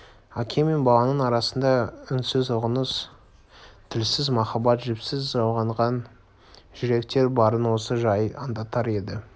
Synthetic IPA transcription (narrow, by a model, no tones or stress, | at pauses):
ækʲʰeme̞nbɑlˠɑnənɑɾɑsənd̪ɑʏnsɪzʊʁənəs | t̪ʰɪlsɪzmɑχɑbɑt̪ʒɪpsɪzʒɑwʁɑɴʁɑn | ʒ̥ɪɾe̞kt̪e̞ɾbɑɾənwo̞səʒɑjɑ̰nd̪ɑt̪ɑɾe̞d̪ɪ